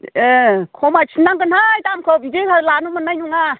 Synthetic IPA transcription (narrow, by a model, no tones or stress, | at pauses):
ekʰɔmat͡ʃʰinːaŋɡɯnhajtamkʰɔbiɡekalanumɯnːajnuŋa